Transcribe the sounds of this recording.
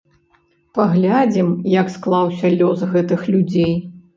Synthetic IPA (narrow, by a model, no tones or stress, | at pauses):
paɣlʲad͡zʲimjɐksklˠawsʲɐlʲɔsɣɛt̪ɨxlʲud͡zʲej